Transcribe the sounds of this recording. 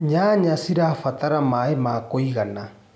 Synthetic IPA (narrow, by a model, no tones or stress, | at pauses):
ɲaɲasiɾafataɾamaemaːkoiɣana